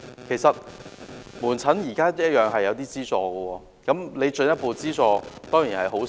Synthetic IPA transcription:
kʰe˨˩jsɐ˨t̚ | muː˨˩nt͡sʰɐ˨˥njiː˨˩kaː˥jɐ˥jœː˨ŋɦɐ˨jːɐ˨˧wt̪iː˥t͡siː˥t͡sɔː˧ɡə˧wɔː˧ | kɐ˨˥mle˨˧jt͡ʃɵ˧njɐ˥t̚po˨˧t͡siː˥t͡sɔː˧t̪ɔː˥ŋjiː˨˩nhɐ˨˩jɦo˨˥w

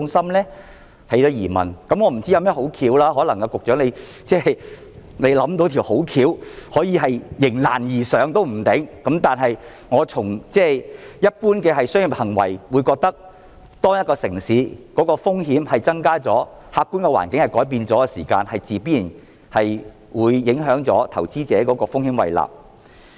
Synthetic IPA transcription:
ʊ˧ŋsɐ˥mlɛː˥ | hɐ˨˧jt̪ɔ˨˥jiː˨˩mɐ̰˨˩nkɐ˨˥mŋɔː˨˧m̩˨˩t͡si˥ja˨˧mɛː˥ho˨˥wkʰiː˨˧˥wlaː˥ɦɔː˨˥lɐ˨˩ŋkɐ˧kʊ˨k̚t͡ʃœː˨˥ŋne˨˧j | t͡sɛː˥˨j | ne˨˧jlɐ˨˥mt̪̬o˧˥wt̪ʰi˨˩who˨˥wkʰiː˨˧whɔː˨˥jiː˧ɦɐ˨jjɪ˨˩ŋla̰ː˨˩njiː˨˩sœː˨˧ŋt̪o˥wm̩˨˩t̪ɪ˨˥ŋkɐ˨˥mt̪aː˨nɦɐ˨j | ŋɔː˨˧t͡sʰʊ˨˩ŋt͡sɛː˥˩jɐ˥t̚puː˥nkɛː˧hɐ˨jsœ˥ŋjɪ˨˩p̚hɐ˨˩ŋwɐ̰˨˩jwuː˨˧jkɔː˧k̚t̪ɐ˥k̚ | t̪ɔː˥ŋjɐt̚kɔː˧sɪ˨˩ŋsiː˨˥kɔː˨˥kɔː˧fʊ˥ŋɦiː˨˥mhɐ˨jt͡sɐ˥ŋkaː˥t͡sɔː˨˥ | haː˧kːuː˥nkɛ˧wa̰ː˨˩nkɪ˨˥ŋhɐ˨jkɔː˨˥jp̬iː˧nt͡sɔː˨˥kɛ˧siː˨˩kaː˧nhɐ˨jt͡siː˨piː˥jiː˨˩n | hɐ˨j | wuː˨˧jːɪ˨˥ŋɦœː˨˥ŋt͡sɔ̰ː˨˥t̪ʰɐ˨˩wt͡siː˥t͡sɛː˨˥kɔː˨˥kɔː˧fʊ˥ŋhiː˧˥mwɐ̰˨jla̰ː˨p̚

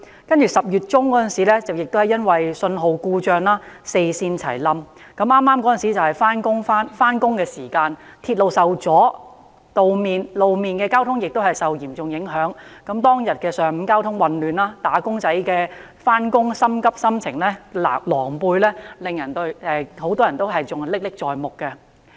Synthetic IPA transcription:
kɐ˥nt͡ʃyː˨sɐ˨p̚jyː˨t̚t͡sʊ˥ŋkɔː˨˥jɐ˥˨nsiː˨˥lɛː˥t͡sɐ˨wjɪ˨k̚t̪whɐ˨˩jɐ˥nwɐ˨jsɵ˧nɦo˨˧wkuː˧t͡ʃœː˧ŋlaː˥se˧jsiː˧nt͡sʰɐ̰˨˩jlɐ˧m | kɐ˨˥mʔaː˥mːaː˥mkɔː˨˥jɐ˨nsiː˨˥t͡sɐ˨whɐ˨˩jfaː˥nkʊ˥ŋfaː˥nfaː˥nkʊ˥ŋkɛː˧siː˨˩kaː˧nt̪ʰiː˧t̚lo˨wsɐ˨wt͡sɔː˨˥ | t̪o˨wmiː˨nlo˨wmiː˨˧nkɛː˧kaː˥wt̪ʰʊ˥ŋjɪ˨k̚t̪o˥whɐ˨jsɐ˨wjiː˨˩mt͡sʊ˨ŋjɪ˨˥ŋɦœː˨˥ŋkɐ˨˧˥mt̪ɔː˥ŋjɐ˨t̚kɛː˧sœː˨ŋm̩˨˧˥kaː˥wt̪ʰʊ˥ŋwɐ˨nlyː˨naː˥t̪aː˨˥kʊ˥ŋt͡sɐ˨˥jkɛː˧ | faː˥nkʊ˥ŋsɐ˥mkɐ˥p̚sɐ˥mt͡sʰɪ˨˩ŋlɛː˥la̰˨lɔː˨˩ŋpuː˧jlɛː˥lɪ˨ŋjɐ˨˩nt̪ɵ˧˥ɥɛ˧ho˨˥wt̪ɔː˥jɐ˨˩nt̪o˥wɦɐ˨jt͡sʊ˨˩ŋlɪ˥k̚lɪ˥k̚t͡sɔː˨˩jmʊ˨˩kkːɛ˧

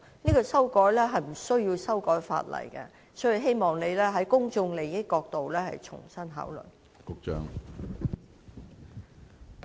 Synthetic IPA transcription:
niː˥kɔː˧sɐ˥wkɔː˨˥jlɛː˥ɦɐ˨jm̩˨˩sɵ˥ɥji˧wsɐ˥wkɔː˨˥jfa̰ː˧t̚lɐ̰˨˩jkɛ̰˧ | sɵ˨˥˨ɦe˥jmɔː˨˩ŋne˨˧jlɛː˥ɦɐ˨˥jkʊ˥ŋt͡ʃʊ˧ŋle˨˩jɪ˥kːɔː˧k̚t̪o˨wlɛː˥hɐ̰˨jt͡ʃʰʊ̰˨˩ŋsɐ˥nɦa̰ː˨˥wlɵ̰˨˩n | kʊ˧k̚t͡ʃœː˧˥ŋ

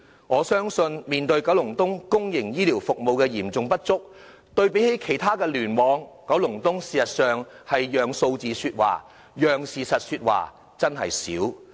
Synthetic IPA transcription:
ŋɔː˨˧sœː˥ŋsɵ˧nmiː˨˩nt̪ɵ˧ɥkɐ˨˥wlʊ˨˩ŋt̪ʊ˥ŋkʊ˥ŋjɪ˨˩ŋjiː˥liː˨˩wfʊ˨k̚mo˨wkɛː˧jiː˨˩mt͡sʊ˨˧ŋpɐ˥t̚t͡sʊ˥k̚ | t̪ɵ˧ɥpe˨˥jhe˨˥jkʰe˨˩jt̪ʰaː˥kɛː˧lyː˨˩nmɔː˨˧ŋkɐ˨˥wlʊ˨˩ŋt̪ʊ˥ŋsiː˨sɐ˨t̚sœː˨˩ŋ | hɐ˨jːœː˨ŋso˧wt͡siː˨˧syː˧t̚wa̰ː˨˩ | jœː˨˩ŋsiː˨sɐ˨t̚syː˧t̚wa̰ː˨˩ | t͡sɐ˥nɦɐ̰˨jsiː˨˥w

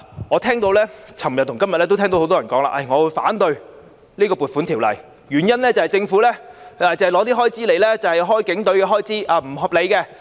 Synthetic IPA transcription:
ŋɔː˨˧t̪ʰɛː˥ŋt̪o˧wlɛː˥t͡sʰɐ˨˩mjɐ˨t̚t̪ʊ˨˩ŋkɐ˥mjɐ˨t̚lɛː˥t̪o˥t̪ʰɛː˥ŋt̪whwt̪ɔ˥ɐ˨˩nkɔː˨˥ŋla̰ː˧ʔɐ˨˩jŋɔ˨˧wu˨˧jfa̰ː˨˥nt̪ɵ˧ɥ | liː˥kɔː˧pu˨t̚fu˨˥nt̪ʰi˨˩wlɐ˨˩j | ɥyː˨˩njɐ˥nlɛː˥t͡sɐ˨whɐ˨jt͡sɪ˧ŋfuː˨˥lɛː˥aː˨t͡sɐ˨hɐ˨jlɔː˨˧˥t̪iː˥ɦɔː˥jt͡siː˥le˨jlɛː˥t͡sɐ˨whɐ˨jɦɔː˥jkɪ˨˧˥ŋt̪ɵ˨˥ɥkɛː˧ɦɔː˥jt͡sʰiː˨˥ʔaː˨˧m̩˨˩ɦɔː˧p̚le˨˧jkɛ˧

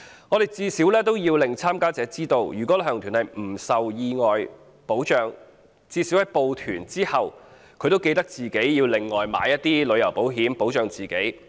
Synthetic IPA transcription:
ŋɔː˨˧ɾe˨jt͡siː˧siː˨˥wlɛː˥t̪o˥wjiː˧wlɪ˨ŋt͡sʰaː˥mkaː˥t͡sɛː˨˧˥t͡siː˥t̪o˧wjyː˨˩kʷɔ˨˥ɦœː˨˩ŋt̪ʰyː˨˩nhɐ˨jm̩˨˩sɐ˨wjiː˧ŋɔː˨j | po˨˥wt͡ʃœː˨ŋ | t͡siː˧siː˨˥whɐ˨˧jpo˨wt̪ʰyː˨˩nt͡siː˥hɐ˨w | kʰɵ˧t̪o˥wke˧jt̪ɐ˥k̚t͡siː˨ke˨˥jjiː˧wlɪ˨ŋːɔː˨˩jma̰ː˨˥jɐ˥t̚t̪iː˥lɵ˨˧ɥjɐ˨˩wpo˨˥wɦiː˨˥mpo˨˥wt͡ʃœː˨˧ŋt͡siː˨˩ke˨˥j

